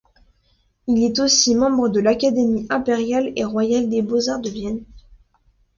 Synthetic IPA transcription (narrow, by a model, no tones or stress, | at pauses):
ilɛt̪osimɑ̃bʁəd̪əlakad̪emiʔɛ̃peʁjaleʁwajald̪ebozaʁd̪əvjɛn